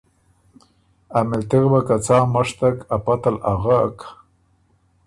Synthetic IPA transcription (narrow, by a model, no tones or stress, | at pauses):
amɪlt̪ɪɣbakat͡sɑːmaʂt̪akapat̪alaɣak